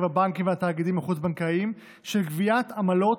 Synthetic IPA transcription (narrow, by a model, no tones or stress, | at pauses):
vabaŋkimveat̪aːɡid̪imaχut͡sbaŋkaim | ʃelkviat̪amalo̞